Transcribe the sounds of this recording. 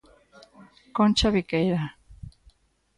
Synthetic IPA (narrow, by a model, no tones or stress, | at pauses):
kont͡ʃaβikejɾa